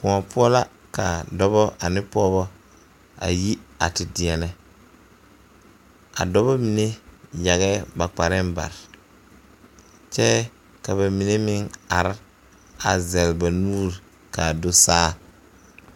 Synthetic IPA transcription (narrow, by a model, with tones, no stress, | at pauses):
kʊ˨a˨pʊ˦ɔ˦la˦ | ka˨dɔ˦bɔ˦a˨nɪ̃˦pɔ˦βɔ˦ | a̰˨ji˦a̰˨tɪ˨dɪ˨ɛ˨nɛ˦ | a̰˨dɔ˦bɔ˦mi˨ne˦ja˨ɣɛ˦ba˨k͡pa˨ɾɪ˦mba̰˨ɾ | t͡ʃɛ˦ | ka˨βa˨mi˨ne˦mɪ˦na˨ɾ | a˨zɛ˨lba˨nuː˦ɾ | ka˨dʊ˦saː˦